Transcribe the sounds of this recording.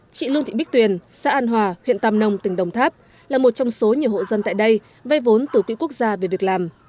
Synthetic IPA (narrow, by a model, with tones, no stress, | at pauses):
t͡ɕḭ˧˨lɨ˧əŋt̪ʰḭ˧˨ɓk̚t̪wi˨˩ənsa̰ː˧˥ʔaː˧nɦwaː˨˩hwḭ˧˨ənt̪aː˧mnə˧wŋ͡mt̪ï˧˩ŋ̟ɗə˨˩wŋ͡mt̪ʰaː˦˥p̚ | laː˨˩mo˨˩t̚t͡ɕɔ˧wŋ͡mso˨˦ɲi˨˩əwho̰˧˨zə˧nt̪a̰ː˧˨jɗə˧j | və˧jvo˨˦nt̪ɨ˧˩kwḭ˧˥ku˦˥ək̚zaː˧ve˨˩vək̚laː˨˩m